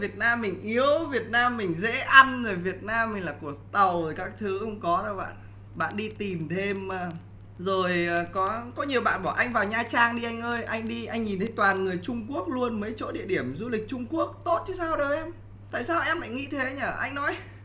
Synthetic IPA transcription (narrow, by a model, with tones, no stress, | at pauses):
vi˨˩ət̚naː˧mːï˨˩ŋ̟ʔi˨˦əwvi˨˩ət̚naː˧mːï˨˩ŋ̟zḛ˧˥ʔa˧nzo˨˩vi˨˩ət̚naː˧mːï˨˩ŋ̟laː˨˩ku˧˩ək̚t̪ə˨˩woː˨˩jkaː˦˥k̚t̪ʰɨ˨˦xə˧wŋ͡mkɔ˨˦zə˧˩ɓa̰ː˧˨n | ɓa̰ː˧˨nɗi˧t̪i˨˩mt̪ʰe˧mː˨˩ | zo˨˩jkɔ˨˦kɔ˨˦ɲi˨˩əwɓa̰ː˧˨nɓɔ˧˩ʔa˧jŋ̟vaː˨˩wɲaː˧t͡ɕaː˧ŋɗi˧ʔa˧jŋ̟ʔəː˧jʔa˧jŋ̟ɗi˧ʔa˧jŋɲi˨˩nt̪ʰə˨˦t̪waː˨˩nŋɨ˨˩əjt͡ɕʊ˧ŋ͡mku˦˥ək̚lu˧ənməː˨˦jt͡ɕo̰˧˥ɗḭ˧˨əɗi˧˩əmzu˧li˨˩k̟̚t͡ɕʊ˧ŋ͡mku˦˥ək̚t̪o˦˥t̚t͡ɕʰɨ˨˦saː˧wɗə˨˩wʔɛ˧m | t̪a̰ː˧˨jsaː˧wʔɛ˧mːa̰˧˨ŋḭ˧˥t̪ʰe˨˦ɲəː˧˩ʔa˧jŋ̟nɔ˨˦j